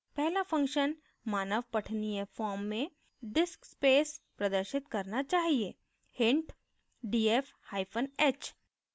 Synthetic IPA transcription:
pɛɦlafʰɐ̃ŋkʃən | maːnəʋpɐʈʰniɦefɔːɾmːẽ | ɖɪskspeːspɾɐd̪əɾʃɪt̪kɐɾnat͡ʃaːɦieː | hɪ̃ɳʈ | ɖiːef | haːɪpʰənɛːt͡ʃ

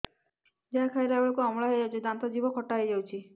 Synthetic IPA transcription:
d͡ʒeɦakʰajɾɔebɔɭɔkuɔmɭaɦejd͡ʒawt͡ʃʰid̪ant̪ɔd͡ʒibɔkʰɔʈːaɦejd͡ʒawt͡ʃʰi

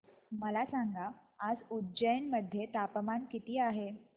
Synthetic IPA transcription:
məlasaŋɡaːd͡zudd͡ʑəjnməd̪ʱːjet̪apəmankit̪iːaɦe

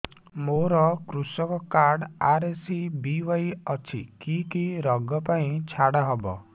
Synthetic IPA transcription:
moɾɔkɾusɔkɔkaɾɽaɾesibiʋɔjɔt͡ʃʰḭkikiɾɔɡɔpaĩt͡ʃʰaɽaɦɔbɔ̰

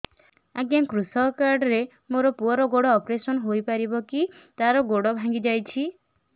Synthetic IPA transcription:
aɡjaŋkɾusɔkaɾɖɔɾe | moɾɔpuɔɾɔɡoɽɔːpɾesɔnɦojpaɾibɔki | t̪aɾɔɡoɽɔbʱãŋɡid͡ʒajt͡ʃʰi

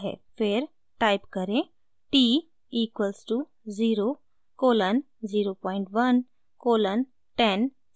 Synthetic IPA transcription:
ɦḛpʰeɾ | ʈaːɪpkəɾẽ | ʈiː | iːkʋəlsʈu | ziːɾo | koːlən | ziːɾopɔːɪɳʈʋɐn | koːlən | ʈɛn

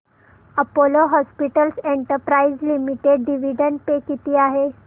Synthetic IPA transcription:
əpoloɦɔspiʈəlseɳʈəɾpɾaizlimiʈeɖɖiʋiɖəɳ̚pekit̪iːaɦe

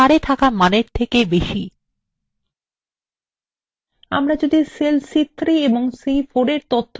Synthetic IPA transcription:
aɾet̪ʰakamaneɾt̪ʰekebeʃi | a̰mɾad͡ʑod̪iselsit̪ːɾieboŋsejfoɖeɾt̪ot̪ʰː

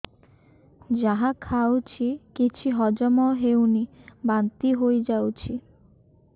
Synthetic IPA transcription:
d͡ʑaɦakʰawt͡ɕʰikit͡ɕʰiɦɔd͡ʑɔmɔɦewnibant̪iɦojd͡ʑawt͡ɕʰi

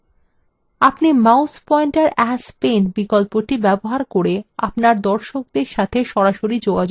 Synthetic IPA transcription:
apnimawspɔiɳʈaɾɛspenbikolpoʈibɛboɦaɾkoɾeapnaɾd̪ɔɾʃok̚d̪eɾʃat̪ʰeʃɔɾaʃoɾid͡ʑoɡad͡ʑo

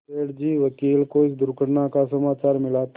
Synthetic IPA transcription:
eːɽd͡ʒiːʋɐkiːlkoɪsd̪ʊɾkəɽnakasɐmaːt͡ʃaːɾmɪlaːt̪

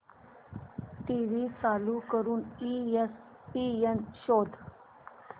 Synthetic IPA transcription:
ʈiːʋiːt͡saːlukəɾuːnis | pienʃoːd̪ʱ

